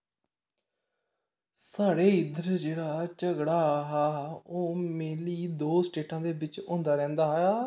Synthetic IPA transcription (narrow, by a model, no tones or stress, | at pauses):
saːɽeːɪd̪əɾd͡ʒeːɽaːt͡ʃəɡɽaːɦaːoːmeːliːd̪oːsʈeːʈãːd̪eːbɪt͡ʃʊ̰̃ːnd̪aːɾɛ̃ːnd̪aːɦaː